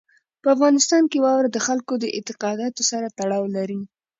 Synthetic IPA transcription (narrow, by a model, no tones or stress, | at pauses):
pəafɣɑnɪst̪ɑnkewɑwɾad̪əxalkod̪əʔɪ̰t̪ɪqɑd̪ɑt̪osaɾat̪aɽɑwlaɾi